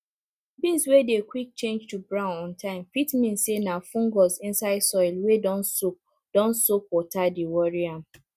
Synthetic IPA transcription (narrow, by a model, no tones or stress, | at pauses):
bĩswedekwik̚t͡ʃẽnd͡ʒtubɹãʊ̃nɔ̃ntʰãɪ̃mfitmĩnsenafũŋɡɔzĩnsaɪdsɔɪlwedɔnso | d̥ɔ̃nsok̚ɔtadiwɔɹiãm̩